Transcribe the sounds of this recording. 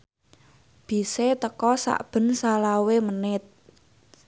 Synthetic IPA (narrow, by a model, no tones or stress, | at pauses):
b̥i̤set̪əkɔsa̰ʔb̥ə̤nsalawemənɪt̪̚